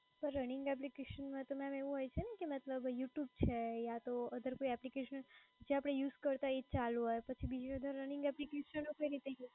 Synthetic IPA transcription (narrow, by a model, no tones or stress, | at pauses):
pəɾːənĩŋɡɛp̬likeʃənmãt̪əmeameʋũɦojt͡ʃʰenekemət̪ləbjuʈjub̚t͡ʃʰejat̪oəd̪ʱəɾkoiɛplikeʃənd͡ʒeapɽ̃ejuzkəɾt̪aet͡ʃalũɦojpət͡ʃʰibid͡ʒiəd̪ʱəɾːənĩŋɡɛplikeʃənokəjiɾit̪ej